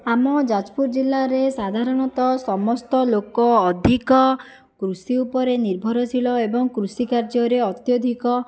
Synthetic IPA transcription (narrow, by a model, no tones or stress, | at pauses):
amɔd͡ʒad͡ʒpuɾd͡ʒilːaɾesad̪ʱaɾɔɽ̃ɔt̪ɔsɔmɔst̪ɔlokɔːd̪ʱikɔ | kɾusiupɔɾeniɾbʱɔɾɔt͡ʃʰilɔebɔŋkɾusikaɾd͡ʒɔɾeɔt̪jɔd̪ʱikɔ